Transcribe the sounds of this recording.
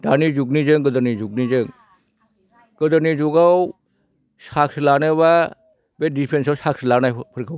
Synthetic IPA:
danid͡ʒuɡnid͡ʒɯŋɡɯd̪əɾnid͡ʒuɡ̚nid͡ʒɯŋ | ɡ̥əd̪ənid͡ʒuɡaw | sakslanɯβa | bedipʰɾensawsakslanajpʰəɾkʰaw

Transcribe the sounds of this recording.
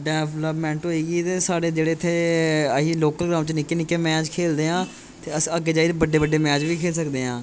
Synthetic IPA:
ɖɛːʋləpmɛ̃ːɳʈɦoːiːɡiːt̪eːsaːɽeːd͡ʒeːɽeːɪt̪ʰːeːəɦiːloːkəlɡɾaːmt͡ʃnɪkːeːnɪkːeːmɛ̃ːt͡ʃkʰeːld̪eːɦãː | t̪eːəsəɡeːd͡ʒaːid̪ebəɖeːbəɖeːmɛːt͡ʃʋiːkʰeːlsəkd̪eːɦãː

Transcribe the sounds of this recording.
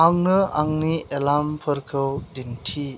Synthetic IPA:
aŋnɯʔaŋniʔelampʰɯɾkʰɯwdintʰi

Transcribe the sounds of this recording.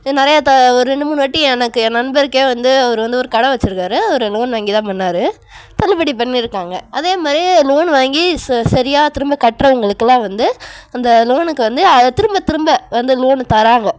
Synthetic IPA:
nɪɾɐjɐt̪ɐɔɾɯɾɛɳɖɯmʊnːɯʋɐʈːiɛnɐkːɯɛnːɐnbɐɪɾɯkːeːʋɐnd̪ɯɐʋɐɾɯʋɐnd̪ɯɔɾɯkɐɽɐ̃ʋɐt͡ʃːɯɾɯkːaːɾɯɐɾɯloːnʋaːŋɡit̪ãːpɐnːaːɾɯ | t̪ɐlɯpɐɽipɐɳːiɪɾɯkːaːŋɡɐʔɐðeːmaːd̪ɾiloːnʋaːŋɡisɐɾɪjaːt̪ɪɾɯmbɐkɐʈrɐʊŋɡɐɭɯkːɐlãːʋɐnd̪ɯɐnd̪ɐloːnɯkːɯʋɐnd̪ɯɐt̪ɪɾɯmbɐt̪ɪɾɯmbɐʋɐnd̪ɯloːnt̪ɐɾaːŋɡɐ

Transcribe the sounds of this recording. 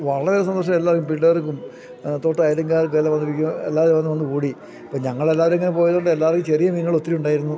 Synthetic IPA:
ʋɐɭːɐeiɾɐs̬ɐnd̪oʂɐmelːaːkːumpiɭːɐrkːum | t̪ːo̞ːʈːɐjɾɐŋɡaːrk̬ʋelːɐʋɐnd̪ipːikʲːuelːaːʋɐɾmʋɐnːʋɐnːɨkuːɽi | pːoːɲɐŋːɐɭe̞lːaːʋɐɾmeŋːɐnepo̞ːjɐðɐɭɖelːaːʋrɐkːumt͡ɕerijɐminːɐɭo̞t̪ːiɾiuɳɖaːjiɾunːu

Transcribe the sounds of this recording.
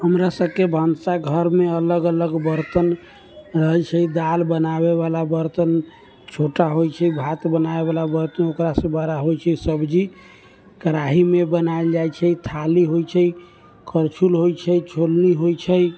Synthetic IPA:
ɦəmɾasəb̚kebʱamsaɡʱəɾmeələɡələɡbəɾt̪ən | ɾəɦt͡ʃʰəid̪albənaβeβalabəɾt̪ən | t͡ʃʰoʈaɦojt͡ʃʰəbʱat̪bənaeβalabəɾt̪ənokɾasə̃bəɾaɦojt͡ʃʰɛsəbd͡ʒi | kəɾaɦimebənaeld͡ʒajt͡ʃʰəit̪ʰaliɦojt͡ʃʰə | kəɾt͡ʃʰulɦojt͡ʃʰət͡ʃʰolniɦojt͡ʃʰə

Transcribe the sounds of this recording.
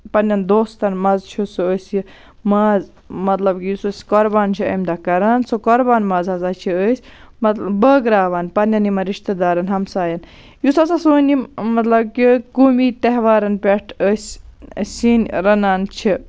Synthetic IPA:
pɐnʲjɐnd̪oːst̪ɐnmɐzt͡ʃʰisuəːsʲji | maːz | mɐt̪lɐbkijusosʲkoɾbaːnt͡ʃʰiɐ̰md̪akɐɾansokɔɾbaːnmɐːzɦɐzat͡ʃʰiəːsʲmɐt̪bəːɡɾaːʋaːnpɐnɐnimɐɾiʃt̪ɐd̪aːɾɐnɦɐmsaːjɐn | jusɐsasoːnimɐt̪lɐbkikuːmit̪eɦʋaːɾɐnpʲeʈʰəːsʲsʲinʲɾɐnaːnt͡ʃʰi

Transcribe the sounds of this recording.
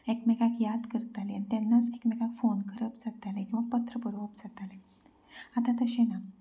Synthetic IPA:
ekmɛkakjad̪kəɾt̪aleanit̪ɛnːat͡sekmɛkakfonkəɾəpd͡zat̪alẽkĩw̃ʋapət̪ɾəpuɾəpd͡zat̪ale | at̪ãt̪əɕena

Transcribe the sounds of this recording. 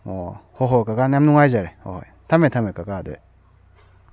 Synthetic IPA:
ɔhɔɦɔkaɡanamnuŋajzaɾɛhɔ̰hɔ̰jt̪ʰamet̪ʰamekakadɛ̰

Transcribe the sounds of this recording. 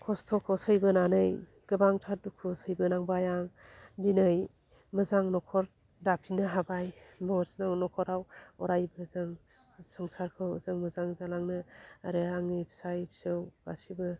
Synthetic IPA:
kʰɔstʰɔkʰɔsɯjbɯnanɯj | ɡ̥ɯbaŋtʰadukʰɯsəjbɯnaŋbajaŋdinɯj | mɯzaŋnɔkʰɔɾ | dapʰinɯɦabajbɔsnaŋnɔkʰɔɾawɔɾajbɯzɯŋ | sɔŋsaɾkʰɯwzɯŋmɯzaŋzalaŋnɯaɾɯaŋɯbʰsajbsɯwba̰sibɯ

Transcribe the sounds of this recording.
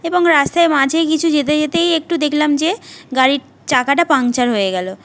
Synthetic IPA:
eboŋɾast̪aemãd͡ʑʱejkit͡ɕʰud͡ʑet̪̬ed͡ʑet̪ejek̚ʈud̪ekʰlamd͡ʑeɡaɾi | ʈakaʈapaŋt͡ɕaɾɦoeɡɛlo

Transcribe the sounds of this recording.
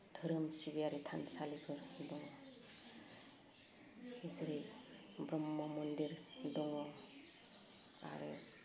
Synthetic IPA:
tʰɯɾɯmsibijaɾitʰansalikʰɯɾdɔŋɔ | izɯɾi | bɾɔmːɔmundiɾdɔŋɔ | a̰ɾɯ̰

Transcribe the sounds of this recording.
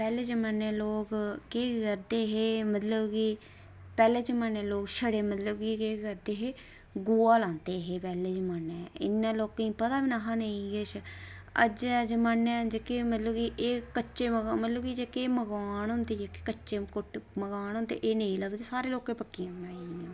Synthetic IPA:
pɛːleːt͡ʃəmənːeːloːkkeɡəɾd̪eːɦeːmət̪ləbɡiː | pɛːleːt͡ʃəmənːeːloːkʃəɽeːmət̪ləbɡiːkeːkəɾd̪eːɦeː | ɡuːaːlãːnt̪eːɦeːpɛːleːd͡ʒəmanɛːɪ̰nːãːloːkːĩːpət̪aːʋɪnaːɦaːneĩɡet͡ʃʰə̰d͡ʒd͡ʒmanːɛ̃ːd͡ʒekemət̪ləbɡiːʔeːkəʃeːmɡmət̪ləbɡiːd͡ʒeːkeːməɡaːnʊ̃nd̪eːd͡ʒeːke̥kət͡ʃːʃeːkʊʈməɡaːɦʊ̃nd̪ḛːʔeːnẽĩːləɡd̪eːsaːɾeːloːkẽːpəkːiːaaːinãː

